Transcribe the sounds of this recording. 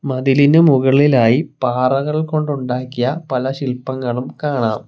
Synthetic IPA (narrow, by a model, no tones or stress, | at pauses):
mɐðilinɨmuɣɐɭilaːjipaːrɐɣɐɭko̞ɳɖuɳɖaːkːijɐpɐlɐɕilpːɐŋːɐɭumkaːɳaːm